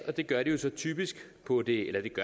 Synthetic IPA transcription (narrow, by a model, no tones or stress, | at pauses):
ɒ̽d̥e̝ɡ̥ɶɐɾ̥ijo̝sɒ̽t͡sʰy̰ːb̥isɡ̥pʰɒ̽d̥e̝elɐd̥e̝ɡ̥ɶ